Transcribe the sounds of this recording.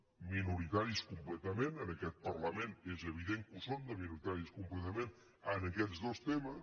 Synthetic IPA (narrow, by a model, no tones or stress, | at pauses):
minuɾit̪aɾiskumplet̪əmẽnənəkɛt̪̚pəɾləmẽnezəβ̞iðeŋkusond̪əminuɾit̪aɾiskumplet̪əmẽn | ənəkɛzdost̪emə